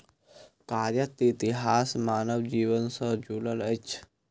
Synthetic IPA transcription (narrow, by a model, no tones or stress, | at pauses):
kaːɾjət̪it̪iɦaːsmaːnəwd͡ʒiːʋənsəd͡ʒulələt͡ʃʰ